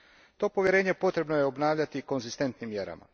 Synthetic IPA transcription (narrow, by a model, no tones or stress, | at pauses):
t̪o̞ːpo̞ʋje̞ɾe̞ːɲepo̞t̪ɾe̞bno̞jeo̞bnaːʋʎat̪iko̞nzist̪e̞nt̪nimːjeɾa̰ma̰